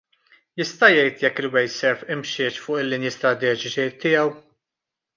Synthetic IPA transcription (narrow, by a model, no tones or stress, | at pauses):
jɪst̪ɐjɛjt̪jɛkːɪlwɛjsɛɾfɪmʃɪt͡ʃfʊːʔɪlːɪnjɪst̪ɾɐt̪ɛːd͡ʒɪt͡ʃit̪ːɪjɛw